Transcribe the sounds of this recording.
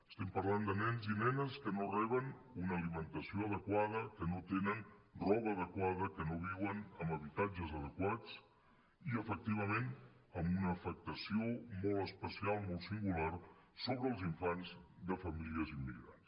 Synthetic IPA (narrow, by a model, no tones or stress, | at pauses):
əst̪ɛmpəɾland̪ənɛnzinɛnəskənorɛβ̞ən | unəːlimənt̪əsioəðəkwað̞əkənot̪enənrɔβəːð̞əkwaðəkənoβ̞iwənəməβit̪ad͡ʒəzəð̞əkwat͡s | iəfək̚t̪iβ̞əmenəmbunəːfək̚t̪əsiomolˠəspəsialˠmolˠsiŋɡular | soβɾəːlˠziɱfanzðəfəmiliəzimːiɣɾans